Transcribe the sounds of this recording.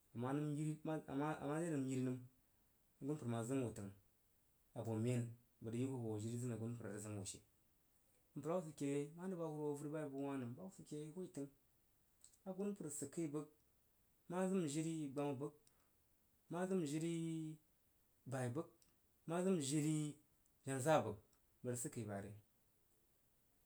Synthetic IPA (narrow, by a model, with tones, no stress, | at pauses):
a˨ma˦nɨ˦mji˦la̰˨ma˦ne˦nɨ˨m˦ji˦lnɨ˦m˨ | ɡu˦n˦pɨ˨ɾma˨zɨ˦m˦wo˨tɨ˨ŋ | a˨bo˨mʲ˦e˦n | bə˨də˨ji˦bu˦˨bo˨ʒi˦ɾi˦zɨ˦na˨ɡu˦n˦pu˨ɾa̰˨də˨zɨ˦mwo̰˨ʃḛ˨ | m̩˨pɾa˦wu˦s̬i˨ke˨˦ma˦n˦də˦ba˦hu˦ɾwo˦vu˦ɾba˦i˨bu˦wʷa˦nɨ˨m˨ba˦wu˦si˨kʲe˨˦hu˦i˦˨tɨ˦ŋ | a˨ɡu˦n˦pu˨ɾsɨ˨ki˦bə˦k̚ | ma˦zɨ˦m˨ʒi˦ɾi˦ɡ͡ba˨˦m˨bə˦k̚ | ma˦zɨ˦m˨ʒi˦ɾi˦ | ba˨i˨bə˦k̚ | ma˦zɨ˦m˨ʒi˦ɾi˦ | ʒa˨nza˦˨bə˨k̚ | bə˨də˨sɨ˦kə˨ba˨ɾḭ˦